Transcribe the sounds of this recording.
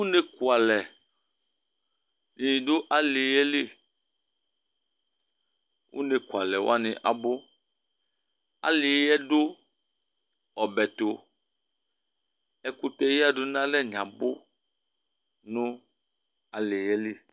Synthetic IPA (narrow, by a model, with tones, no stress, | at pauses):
wu˦ne˦ku˨a˨lɛ˨ | ɲ˨ĩ˨do˦ʔa˨li˨jɛ˦li˦˨ | wʔṵ˦ne˨ku˨a˨lɛ˨wo̰˦a˦nḛ̃˨ʔa̰˨bo˦ | a̰˨li˨jɛ˦ɖo˦ | ɔ˨bɛ˨t̪o˨ | ɛ˦ku˦t̪ɛ˦ji˦a˦ɖo˦nã˦lɛ˦ɲã˨bo˦ | nũ˦ | a˨li˨jɛ˦li˦˨